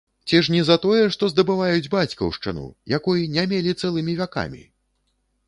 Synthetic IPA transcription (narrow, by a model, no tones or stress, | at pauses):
t͡sʲiʂnʲɛzɐt̪ɔjɛʂt̪ɔzd̪ɐbɨvajud͡zʲbat͡sʲkɐ̰wʂt͡ʂɨ̰nṵjakɔjinʲamʲelʲit̪sɛlˠɨmʲivʲaka̰mʲḭ